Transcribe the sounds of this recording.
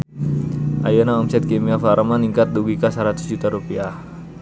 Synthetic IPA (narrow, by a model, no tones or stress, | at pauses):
ʔajanaɔmsɛt̪̚kemiafaɾəmaniŋkat̪̚duɡikasaɾat̪u̥sd͡ʒut̪aɾupiah